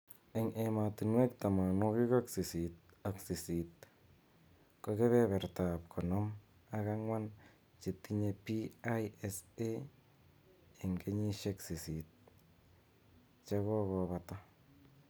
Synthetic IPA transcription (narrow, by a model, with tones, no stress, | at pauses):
e˨ŋema˨tu˨nwe˦k̚t̪a˨ma˨no˦ki˦ka˦ksi˨si˨t̚ | a˨ksi˨si˨t̚ | ko˧ke˦βɛ˦βɛ˨ɾta˨p̚kʰɔ˨nɔ˦m | a˦ɣa˦ŋwa˦n | t͡ʃe˨t̪ːi˦ɲe˧pi˦ajese˦ | e˨ŋɡe˦ɲi˦ʃeksi˨si˨t̪̚ | t͡ʃa˦ɣɔ˦βɔ˧βata˦